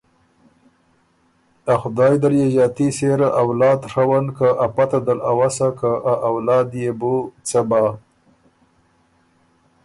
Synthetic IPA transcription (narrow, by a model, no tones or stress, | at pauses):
axʊd̪ɑːjd̪aɾjeʒɑt̪iseɾaʔawlɑːd̪ʂawankaʔapat̪ad̪alawasakaʔaʔawlɑːd̪jebut͡saba